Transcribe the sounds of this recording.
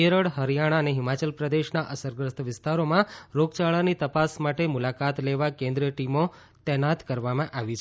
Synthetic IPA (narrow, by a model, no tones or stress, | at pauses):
eɾəɽɦəɾijaɽ̃aəneɦɪmat͡ʃəlpɾəd̪eʃnaʔəsəɾɡɾəst̪ʰʋɪst̪aɾomãɾoɡt͡ʃaɭanit̪əpasmaʈemʊlakat̪leʋakẽnd̪ɾiəʈimo | t̪ɛɦnat̪kəɾʋamãʔaʋit͡ʃʰe